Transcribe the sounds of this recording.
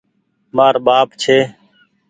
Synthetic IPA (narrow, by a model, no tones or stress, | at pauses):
maːɾbaːpt͡ʃʰeː